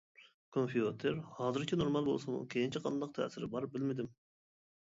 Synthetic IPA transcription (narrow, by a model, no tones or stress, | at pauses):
kʰonpʰiot̪ʰeɾhɑːzɨɾkʲʰinoɾmɑlˠbo̰lˠsɨmṵkʲʰejint͡ʃʰiqʰɑnd̪ɑq̚t̪ʰɛ̰ːsɪɾɪbɑɾbɪlmɪd̪ɪm